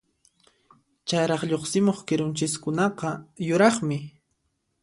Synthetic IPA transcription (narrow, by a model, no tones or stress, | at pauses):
t͡ʃajɾɑχʎoχsɪmoχkɪɾʊnt͡ʃɪskʊnɑqɑjʊɾɑχmɪ